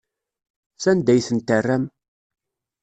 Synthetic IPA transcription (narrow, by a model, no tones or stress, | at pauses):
θænd̪æjθənt̪ərːæm